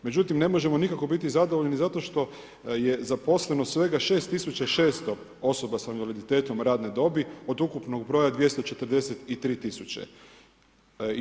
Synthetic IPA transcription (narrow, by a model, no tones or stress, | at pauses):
med͡ʑut̪imne̞mo̞ʒe̞mo̞nikako̞bit̪izad̪oʋoʎenizat̪o̞ʃt̪o̞ | je̞zapo̞slenosʋe̞ɡaʃe̞ːst̪ːisut͡ɕaiʃe̞ːst̪o̞ | o̞so̞basanʋalid̪it̪e̞ːt̪o̞mɾaːd̪ned̪o̞bio̞d̪ukupno̞ɡbɾo̞ːjad̪ʋje̞st̪ot͡ʃe̞t̪əɾ̩d̪e̞set̪it̪ɾiːt̪isut͡ɕḛ